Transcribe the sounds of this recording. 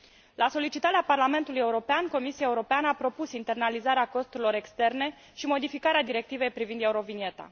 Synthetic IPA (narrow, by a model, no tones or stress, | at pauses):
lʔaso̞lit͡ʃit̪aɾeaparlame̞nt̪uluje̞uɾo̞peanko̞misiae̞uɾo̞peanəapɾo̞pusint̪e̞rnalizaɾeako̞st̪uɾilo̞ɾe̞kst̪e̞rne̞ | ʃimo̞d̪ifikaɾead̪iɾe̞k̚t̪ive̞jpɾivind̪e̞uɾo̞vinie̞t̪a̰